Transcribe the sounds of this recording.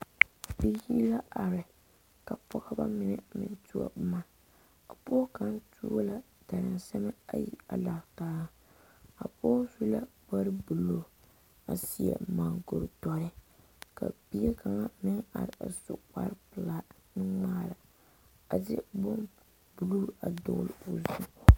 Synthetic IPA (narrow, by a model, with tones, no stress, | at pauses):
bi˦i˦la˦ʔa˨ɾɪ˨ | ka˨pɔ˦ɣa˦ba̰˦mɪ˦nɪ˨mɪ̰˨ntu˦a̰˨bʊ˦ma˦ | a˨po˦ka˦ntʰṵː˦la˨ | da˨ɾɪ˨nsɛ˦mɛ˦a˦jḭ˦a˨la˨htaː˦a˦ | a̰˨po˦su˦la˦ba˦ɾɪ˦bu˨lo˦ | a˨si˦ɛ̰˨maː˨ɡo˨ɾtɔ˦ɾɪ˦ | ka̰˨bi˦a˦ka˨ŋa˦mɪ˦ŋa˨ɾɪ˨a̰˨sʊ˦k͡pa̰˦ɾpɨ˨la˦nɨ˦ŋ͡maː˦ɾa˨ | a˨zɪ˦bo˦m | bu˨lu˦a˨dʊ̰˦ɣlɪ˦˨o˨zu˦